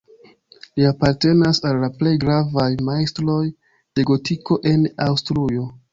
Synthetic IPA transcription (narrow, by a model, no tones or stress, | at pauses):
liapaɾte̞nasalːaple̞jɡɾavajmajstɾo̞j | d̥e̞ɡo̞tiko̞ʔe̞nawstɾujo̞